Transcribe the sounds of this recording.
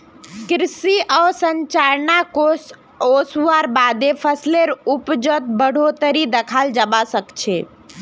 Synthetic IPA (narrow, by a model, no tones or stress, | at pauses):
kɾisiʔəsəɲt͡ʃaɾnakos | osuaɾbad̪epʰəsleɾupd͡ʒət̪̚bəɽ̤ʱot̪əɾid̪ekʰald͡ʒəbasəkt͡ʃʰe